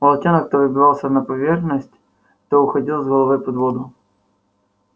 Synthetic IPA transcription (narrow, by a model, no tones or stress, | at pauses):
mɐlˠɐtʲenəkt̪ovɨbʲɪvɑlˠsʲənɐpɐvʲerxnəsʲtʲ | t̪oʊxɐdʲilˠzɣəlˠɐvɨjpɐd̪vod̪ʊ